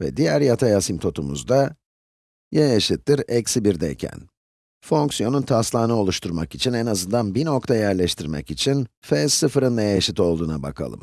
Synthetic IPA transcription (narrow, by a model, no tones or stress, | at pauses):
vɛ̰d̪ijæɾjat̪ʰajasimt̪ʰo̞t̪ʰumṵzd̪a | jajaʃɯt̪ːiɾɛcsibiɾd̪ɛjcʰæ̰n | fo̞ŋksijo̞nunt̪ʰaslˠaːnɯo̞lˠuʃt̪ʰuɾmakit͡ʃʰinɛnazɯnd̪anbinok̚t̪ʰajæɾlʲɛʃt̪ʰiɾmɛ̰kit͡ʃʰinfɛsɯfɯɾɯnlˠajaʃɯt̪o̞lˠd̪uːnabakʰa̰lˠɯ̰m